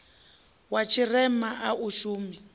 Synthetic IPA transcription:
wat͡ʃʰirɛmaʔaʔuʃuːmi

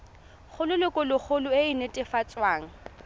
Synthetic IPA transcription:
χʰʊlʊlʊkʼʊlʊk͡xʰʊlʊeɪnetʼɪfat͡sʼwaːŋ̩

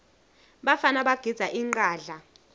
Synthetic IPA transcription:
ɓafanaɓaɡ̥ʱidz̥ʱaʔiŋ͡ǃaːɮa

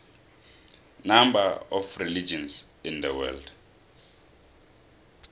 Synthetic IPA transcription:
nambaɔfrilid͡ʒɔ̃nsĩnd̪əwɛ̰ld

